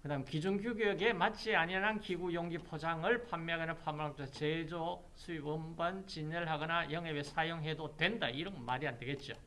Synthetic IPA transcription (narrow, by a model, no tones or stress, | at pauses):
kɯdamkid͡ʑunɡjuɡieɡe̞matt͡ɕ͈iaɲianɯnkiɡujoŋɡipʰod͡ʑaŋɯɭpʰamːjaɡenɯnpʰamakʰat͡ɕed͡ʑo | sʰuiɯmbʌnt͡ɕiɲːʌɭɦaɡʌnajʌŋebesʰajoŋɦe̞dodwe̞ndaiɾʌnmaɾiande̞ɡe̞t̚t͡ɕ͈o